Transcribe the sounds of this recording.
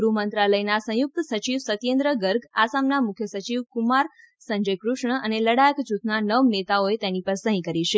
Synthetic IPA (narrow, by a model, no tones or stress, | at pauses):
ɡɾumənt̪ɾaləjnasə̃juk̚t̪əsət͡ʃiʋsət̪jend̪ɾəɡəɾɡasamnamʊkʰjəsət͡ʃiʋkumaɾ | səɲd͡ʒəjkɾʊʃɳəʔəneləɽajəkt͡ʃut̪ʰnanəʋnet̪aoet̪enipəɾsə̃ɦĩkəɾiʃʰe